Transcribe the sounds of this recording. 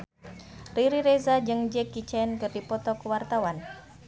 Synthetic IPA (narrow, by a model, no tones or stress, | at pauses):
riɾiɾezad͡ʒɨŋd͡ʒɛkːit͡ʃɛnkɨrdipɔt̪ɔkəwart̪awan